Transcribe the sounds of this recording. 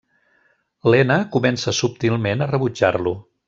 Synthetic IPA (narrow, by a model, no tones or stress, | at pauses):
lɛnəkumɛnsəsup̚t̪ilˠmenərəβud͡ʒarlu